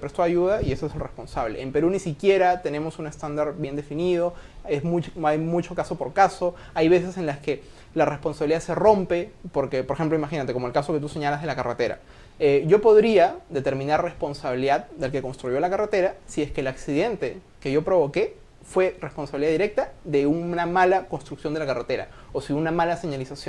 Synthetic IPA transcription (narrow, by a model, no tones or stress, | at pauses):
epɾest̪o̞aʝuð̞aie̞soeselrespo̞nsaβle̞̰ːmpe̞ɾunisikje̞ɾat̪e̞ne̞mo̞sune̞st̪and̪aɾbje̞nd̪e̞finið̞o̞ezmuajmut͡ʃo̞kaso̞po̞ɾkaso̞ | ajβe̞se̞se̞nlaske̞ | lare̞spo̞nsaβiliðase̞ro̞mpe̞po̞ɾke̞po̞ɾexemplo̞imaxinat̪e̞ko̞moelkaso̞ket̪use̞ɲalazð̞e̞lakaret̪e̞ɾa̰ | eɟ͡ʝo̞po̞ðɾiaðe̞t̪e̞ɾmĩnaɾre̞spo̞nsaβiliðaðd̪elke̞ko̞nst̪ɾuʝo̞lakaret̪e̞ɾasie̞skeːlaksiðe̞nt̪e̞ | ke̞ʝo̞pɾo̞βo̞ke̞ | fwe̞re̞sponsaβiliðaðiɾe̞k̚t̪aðe̞unnamalako̞nst̪ɾuksjo̞nd̪elakaret̪e̞ɾa̰osiunamalaseɲalisasjo